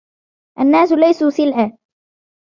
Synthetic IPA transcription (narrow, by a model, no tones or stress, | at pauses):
ʔanːaːsʊlajsuːsɪlʕaː